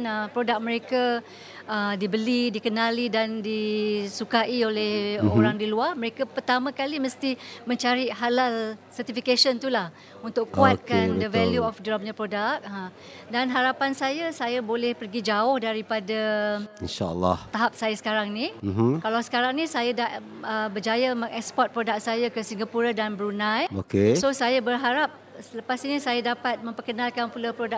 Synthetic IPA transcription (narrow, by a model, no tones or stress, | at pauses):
nəpɾodak̚mə̃ɾeka | ədibəlidikənalidandisukaʔiolɛhoɾaŋdiluahməɾekapərt̪amãkaliməst̪imə̃ɲt͡ʃaɾiɦalalsərt̪ifikaʃənt̪ulah | unt̪ʊkkuat̪̚kandəvɛljuɔfdɹam̚ɲãpɾodak̚ə | danɦaɾapansajasajabolɛhpərɡid͡ʒaʊhdaɾipadainʃa̰lːɑ̰ht̪aɦap̚sajasə̥kaɾaŋnĩm̩ɦkalawsə̥kaɾaŋnĩsajada | əbərd͡ʒajaməŋɛkspɔt̪̚pɾodak̚sajakəsiŋɡapuɾadanbəɾunãjokesosajabərɦaɾap̚sələpasinisajadapat̪̚mə̃mpərkənãlkanpulapɾoda